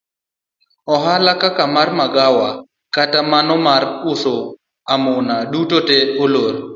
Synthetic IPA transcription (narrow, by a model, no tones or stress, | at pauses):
ɔɦalakakamarmaɡawa | katamanɔmaɾʊso | amʊnadutoteoloɾ